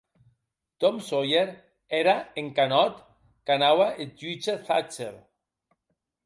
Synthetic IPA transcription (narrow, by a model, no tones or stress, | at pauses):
t̪ɔmsojeɾ | eɾaeŋkanɔt̪ | kanawaʔeit͡ʃeθa̰t͡ʃeɾ